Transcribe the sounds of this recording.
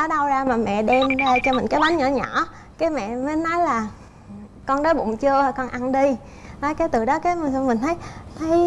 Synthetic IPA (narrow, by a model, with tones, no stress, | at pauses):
ɗɔ˨˦ɗa˧wzaː˧maː˨˩mɛ̰˧˨ɗɛ˧mɗəː˧t͡ɕɔ˧mï˨˩ŋ̟kaː˨˦jɓa˨˦nɲɔ̰˧˩ɲɔ˧˩ | kaː˨˦jmɛ̰˧˨məː˨˦jnɔ˨˦jlaː˨˩ | kɔ˧nɗə˨˦jkʊ̰˧˥wŋ͡mt͡ɕɨ˧ə˨˩kɔ˧nʔa˧nɗi˧ | nɔ˨˦jka˨˦jt̪ɨ˨˩ɗɔ˨˦kaː˨˦jmï˨˩ŋ̟t̪ʰə˨˦jt̪ʰə˨˦j